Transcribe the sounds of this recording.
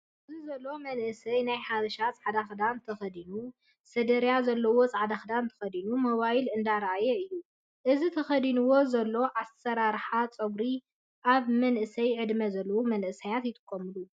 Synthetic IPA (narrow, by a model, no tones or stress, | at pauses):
ʔʔɨzizɐlːo̞mɐnʔɨsɐjnajħaβɐʃat͡sʼʕad̪axd̪ant̪ʰɐxɐd̪inu | sɐd̪ɐɾjazɐlːɐwo̞t͡sʼaʕad̪axd̪ant̪ʰɐ̥xɐd̪inumɐβajilɨnd̪aɾʔajɛɨjːu | ʔɨzit̪ʰɐxɐd̪inuwo̞zɐlːo̞ʕasɐɾaɾħat͡sʼɐɡɾi | ʔaβmɐnʔɨsɐjʕɨd̪mɐzɐlːɐwumɐnʔɨsajat̪jɪt̪ʼɨ̥kʼːɐmɨlu